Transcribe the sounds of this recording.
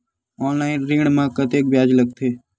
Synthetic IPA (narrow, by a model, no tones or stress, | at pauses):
ɔːnlaːɪnɾĩːɳmãːkət̪eːk̚bjaːd͡ʒləɡ̚t̪ʰeː